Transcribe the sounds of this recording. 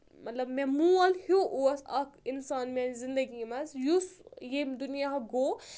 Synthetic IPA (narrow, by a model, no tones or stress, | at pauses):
mɐt̪lɐbmemuɐlhuʔuɐsɐkinsaːnmenzind̪əɡimɐzjusjemd̪unijaɦɐɡoː